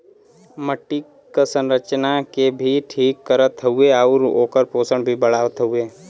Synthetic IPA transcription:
məʈːi | kəsə̃nɾət͡ʃnakebʱiʈʰiːkːəɾət̪ʰːəueaʊɾo̰ːkəɾpoːsəɳbʱibəɽaːʋt̪ʰəueː

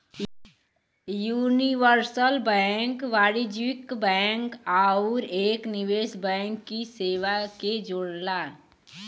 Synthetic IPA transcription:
juːniʋəɾsəlbɛ̃ːŋkʋaːɾid͡ʒʋɪkbɛ̃ːŋkaːʊɾeːknɪʋeːsbɛ̃ːŋkːiseːʋaked͡ʒoːɽla

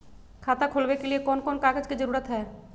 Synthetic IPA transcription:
kʰaːt̪akʰolʋekeliekɔːnkɔːnkaːɡəd͡ʒkid͡ʒəɾuːɾət̪ɦɛː

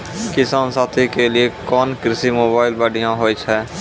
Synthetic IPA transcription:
kɪsaːnsaːt̪ʰikeliekɔːnkɾɪsimoːbaːɪlbaːɖijãɦoːit͡ʃʰɛː

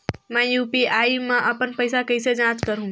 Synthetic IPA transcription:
mɛ̃juːpiaːimɛ̃ʔɐpənpɐɪsakɐɪsed͡ʒãːt͡ʃkəɾɦũ

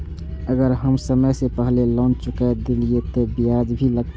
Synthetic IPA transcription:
əɡəɾɦəmsəməjsepəɦlelɔ̃ːnt͡ʃʊkɛd̪ɪliet̪obijad͡ʒbʱiləɡ̪̚

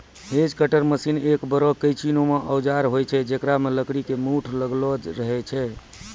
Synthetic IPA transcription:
ɦed͡ʒkəʈəɾməsinekbəɾɔkəjt͡ʃinomeʔəwd͡ʒaɾɦojt͡ʃʰɛd͡ʒekɾameləkɽikemuʈʰləɡlɔd͡ʒɾəɦɛt͡ʃʰɛ

